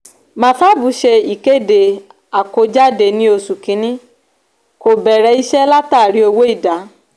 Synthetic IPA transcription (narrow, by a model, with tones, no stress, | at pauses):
mã˨˦ta˦bu˨˦ʃe˧i˨ke˦˨de˨ | a˨ko˧˦d͡ʒa˦de˧nĩ˧˦o˧su˨kĩ˨˧˦nĩ˦ | ko˨bɛ˨ɾɛ˨˧i˧ʃɛ˦la˦taː˦˨ɾi˨˦o˧wo˦i˦˨da˨˦